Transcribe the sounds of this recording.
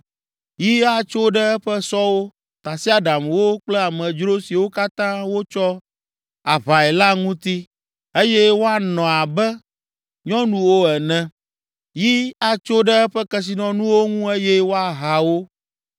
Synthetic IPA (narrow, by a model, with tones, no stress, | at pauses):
ji˦a˦t͡ʃo˦ɖɛ˦ɛ˦ɸɛ˦sɔ˦wo˦ | t̪a˨si˦a˨ɖa˨mwo˦k͡plɛ˦a˨mɛ̃˨d͡ʒɾo˦si˨wo˦ka˦t̪ã˦wo˦t͡ʃɔ˦ | a˨βa˨ɛ˨la˦ŋũ˦t̪i˦ | e˦jɛ˦wo˦a˦nɔ̃˨a˨bɛ˦ | ɲɔ̃˦nũ˦wo˦ɛ˨nɛ̃˨ | ji˦a˦t͡ʃo˦ɖɛ˦ɛ˦ɸɛ˦kɛ˦s̬i˨nɔ̃˦nũ˦wo˦ŋũ˦e˦jɛ˦wo˦a˦ɦa˨wo˦